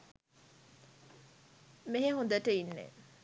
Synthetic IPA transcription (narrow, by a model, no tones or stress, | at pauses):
meɦeɦond̪əʈəinːḛ